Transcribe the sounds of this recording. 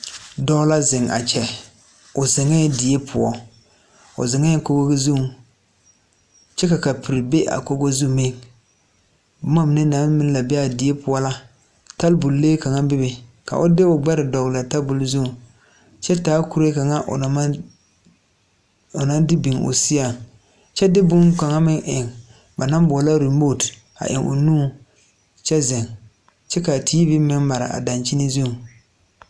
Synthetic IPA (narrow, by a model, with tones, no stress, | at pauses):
dɔ˦la˦zɪ˨ŋa̰˨t͡ʃɛ˨ | ʊ˨zɪ˨ŋa˦jɛ˦dɪ˨je˦pʰʊ˨ɔ˦ | ʊ̰˨zɪ˨ŋa˦jɛ˦ko˦ɡo˦ɡe˦zu˦˨ | t͡ʃɛ˦ka˨ka˨pʰi˨ɾi˨be˦ʔa̰˨ko˦ɡo˦zu˦˨me˦˨ŋ | bʊ˦ma˦mɪ˨nɛ˦na˨˦mɪ˦la˨bɛ˦a˨dɪ˨e˦pʊ˨ɔ˦la˦ | ta˦lbʊ˨lleː˦ka˨ŋa˦bɪ˦bɪ˨ka̰˨ʔʊ˦dɪ˦ʊ˨ɡ͡bɛ˦ɾɪ˨dɔ˨ɣla˨ta˦lbʊ˨lzu˦˨ | t͡ʃɛ˦taː˦ku˦ɾe˦ka˨ŋa˦ʔ | ʊ˨na˦dɪ˦bi˨ŋʊ̰˨sɪ˦ja˨ŋ | t͡ʃɛ˦dɪ˦bʊ˦ŋka˨ŋa˦mɪ˦ŋʔɪ˨ŋ | ba˨na˦m˦bɔ˨a˨la˦ɾi˨m˦bo˦˨d | a̰˨ʔɪ̰˨ŋʔʊ̰˨nũː˦ | t͡ʃɛ˦zɪ˨ŋ | t͡ʃɛ˦ka˨tʰiː˦bɪ˦mɪ˦ŋma˨ɾɪ̰˨ʔa̰˨da˨nt͡ʃi˦ni˦zu˦˨ŋ˨